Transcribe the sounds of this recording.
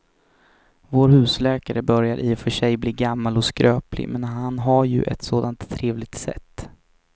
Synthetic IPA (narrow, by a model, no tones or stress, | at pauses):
voːɾhʉ̟ːslɛːkaɾəbœɾjaɾʔifœʂɛjbliːɡamːalɔskɾøːplɪ̰mɛnɦanɦaɾjɵ̰ʔɛ̰t̪soːd̪ant̪ʰːɾeːvlɪɡ̚t̪sɛ̰t̪ː